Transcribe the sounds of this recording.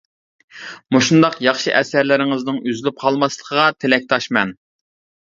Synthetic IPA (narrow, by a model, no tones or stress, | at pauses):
moʃund̪ɑqjɑχʃɨʔɛsæɾlɪɾɪŋɪznɪŋyzɪlyp̚qʰɑlˠmɑslˠə̥qʰəʁɑt̪ʰelɛk̚ʲt̪ʰɑʃmɛn